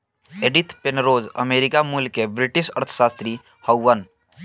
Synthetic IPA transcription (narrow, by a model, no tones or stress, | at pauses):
eɖit̪penɾoːzə̰meːɾɪkamulkebɾɪʈiʃə̰ɾt̪ʰə̥ʃaːst̪ɾi | həwːən